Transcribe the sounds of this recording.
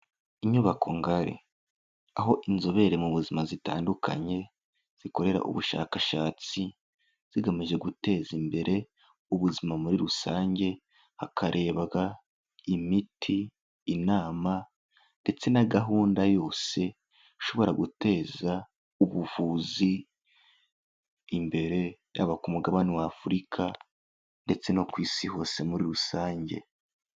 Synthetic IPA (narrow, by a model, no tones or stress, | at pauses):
iɲuβakʰo̞ŋɡaɾḛ | aɦo̞ʔinzo̞βe̞ɾe̞muβuzimazita̰ːndukʰa̰ɲe̞ | z̥iko̞ɾe̞ɾa̰ʔṵβuʃa̰ːkaʃaːt͡si | z̥iɡamiʒe̞ɡute̞ːzimbe̞ɾʔe̞ | uβuzimamuɾiɾusaːɲɟe̞ | hakʰaɾʔe̞ːβaɡa | imitʰiː | naːma | nde̞t͡se̞naɡaɦuːndajo̞ːse̞ | iʃo̞βo̞ɾaɡute̞ːza | uβuvuːzi | mbe̞ɾe̞ja̰βakumuɡaβaniwaːfuɾikʰa | nde̞t͡se̞no̞kwiːsiho̞ːse̞muɾiɾusaːɲɟe̞̰